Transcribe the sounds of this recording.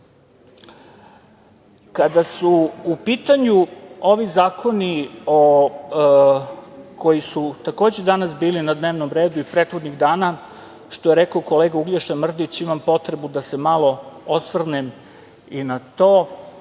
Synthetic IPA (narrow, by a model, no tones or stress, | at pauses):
kad̪asuːpiːt̪aɲuo̞ʋizaːkʰo̞nio | kʰo̞jisut̪ako̞ːd͡ʑed̪anasbiːlinad̪neːʋnomɾe̞ːd̪uipɾet̪xod̪niɣd̪aːna | ʃt̪o̞jeɾekooko̞leːɡauɡleʃemr̩d̪it͡ɕimampo̞t̪ɾebud̪asemalˠo̞osʋr̩nem | inat̪oː